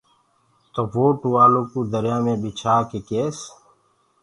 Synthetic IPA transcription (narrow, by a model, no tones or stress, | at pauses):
t̪oʋoːʈuːaːloːkuːd̪əɾjaːmẽːbit͡ʃʰaːkekeːs